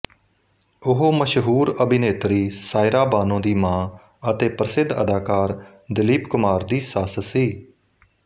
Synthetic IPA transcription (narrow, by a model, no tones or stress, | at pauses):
ʊɦoːməʃɦuːɾəbɪneːt̪ɾiːsaːɪɾaːbaːnõːd̪iːmãː | ət̪eːpɾəsɪd̪ə̰d̪aːkaːɾ | d̪ɪliːpkʊmaːɾd̪iːsaːssiː